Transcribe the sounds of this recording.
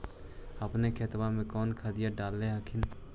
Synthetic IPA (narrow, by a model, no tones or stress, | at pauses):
əpnekʰeːt̪ʋamẽkɔːnkʰad̪ɪjaɖaːlːeɦakʰɪn